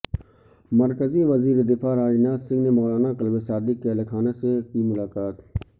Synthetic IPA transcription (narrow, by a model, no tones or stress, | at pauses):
mɐɾkəziʋɐziːɾed̪ɪfaːɾaːnaːzsɪ̃ŋɡnemɔːlaːnaqɐlbesaːd̪ɪkːeɐlekʰaːnesekimʊlaːkaːt̪